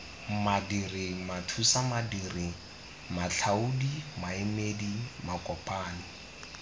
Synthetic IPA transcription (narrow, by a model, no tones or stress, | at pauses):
madirimatʰusamadiːri | maɬʰaudimaɪmedimakʼɔpʼaːni